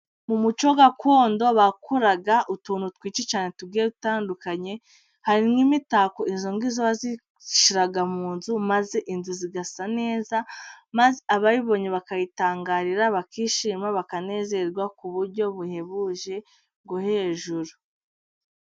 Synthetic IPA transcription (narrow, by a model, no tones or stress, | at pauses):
mumut͡ʃo̞ɡakʰo̞ːndo̞βakʰuɾaɡaʔutuːnutwiːt͡ʃet͡ʃaːne̞tubɡiːeutaːndukaɲe̞ | haɾimŋimitakoinzo̞ŋɡizoβazi | ʃiɾaɡamuːnzumaze̞ʔinzuziɡasane̞ːzamazeaβaɾiβo̞ɲeβakajitaːŋɡaːɾiɾaβakiːʃiːmaβakane̞ːze̞ɾɡwakuβuɾɟo̞βuhe̞βuʒe̞ | ɡohe̞ːʒuɾu